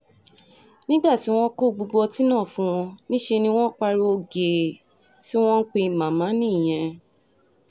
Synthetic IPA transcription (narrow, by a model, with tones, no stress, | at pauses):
nĩ˦ɡ͡ba˦˨ti˨˦w̃ɔ̃˧ko˦˨ɡ͡bo˧ɡ͡bɔ˧ti˦nãː˦˨fũ˦w̃ɔ̃˧nĩ˦ʃe˧nĩ˧w̃ɔ̃˦k͡pa˧ɾo˧o˧ɡe˨ | ti˦w̃ɔ̃˦n̩˦k͡pe˧i˧˨mã˨mã˨˦nĩ˦˨j̃ɛ̃˧